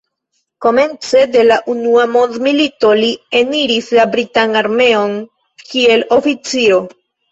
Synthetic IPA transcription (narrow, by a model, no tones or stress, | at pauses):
ko̞me̞nt͡se̞de̞laʔunuamo̞ndmilito̞lie̞niɾislabɾitanaɾme̞o̞n | kie̞lo̞fit͡sio̞